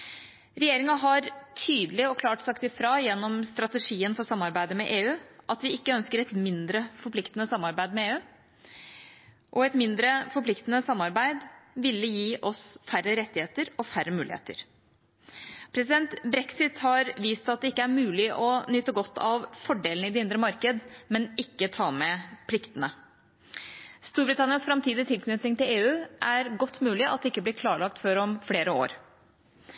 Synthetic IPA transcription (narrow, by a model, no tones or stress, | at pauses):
ɾɛjeːɾɪŋɑɦɑɾt̪ʰyːd̪lɪɔkʰlɑːʈsɑkt̪ɪfɾɑːjɛnːɔmst̪ɾɑt̪əʂiːənfɔɾsɑmːɑɾbæɪd̪əmɛ̰ʔeːʉːʔɑt̪ʋɪɪkːəœnskəɾɛt̪mɪnd̪ɾəfɔɾpʰlɪkt̪ənəsɑmːɑɾbæɪd̪mɛeːʉː | ʔɔɛt̪mɪnd̪ɾəfɔɾpʰlɪkt̪ənəsɑmːɑɾbæɪd̪ʋɪlːəjiːʔɔsfæɾːəɾɛt̪ːɪheːt̪əɾɔfæɾːəmʉːlɪ̰hḛːt̪ə̰ɾ | pʰɾɛsɪd̪ɛnt̪bɾɛksɪt̪hɑɾʋiːst̪ɑt̪̚d̪ɛɪkːəæɾmʉːlɪʔɔnʏt̪ːəɡɔt̪ːɑʋfɔɖeːlnəɪd̪ɛɪnd̪ɾəmɑɾkəd̪mɛnɪkːət̪ʰɑːmɛpʰlɪkt̪ənə | st̪uːɾbɾɪt̪ʰɑnɪənsfɾɑmt̪ʰiːd̪ɪt̪ʰɪlkʰnʏt̪nɪŋt̪ɪleːʉːʔæɾɡɔt̪ːmʉːlɪʔɑ̰t̪̚d̪ɛɪkːəbliːkʰlɑːɭɑk̚t̪fɔɾɔmfleːɾəo̰ːɾ